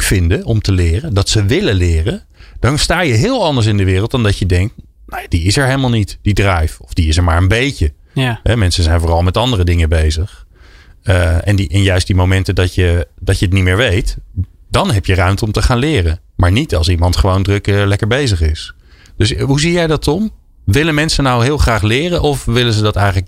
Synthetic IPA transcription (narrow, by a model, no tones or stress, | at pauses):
kfɪndəɔmtəlɪːrəndɑtsəʋɪlənlɪːrən | d̥ɑnstaːjəɦɪːlˠɑndəɹs̬ɪndəʋɪːrəl̩ˠt̚dɑndɑcjədɛŋk̚t | nojadiɪsɛɹejləmalˠnitd̥idrɛjfɔfdiɪsɛɹmaːɹəmbejcə | ɦɛmɛnsənzɛjnvoːrɑlˠmɛtɑndərədɪŋəbejzəχ | ɛ̰niʔɪnjœɥstdimowmɛntədɑtjədɑcəət̬nitmɪːɹʋejtd̥ɑnɦɛpjərœɥmtəɔmtəχaːnlɪːrən | maːɹnitɑ̰lˠsimɑntχəʋowndrɵklɛkəɹbejzəχɪs | d̥øsɦuzijɛjdɑtɔm | ʋɪlənmɛnsənawɦɪːlˠχraːχlɪːrənʔɔfʋɪlənzədɑtɛjχələk